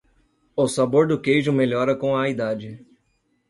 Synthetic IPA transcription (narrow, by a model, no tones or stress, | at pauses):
ʊsaboɾd̪ʊkejʒʊmeʎɔɾɐkõɐid̪ad͡ʒɪ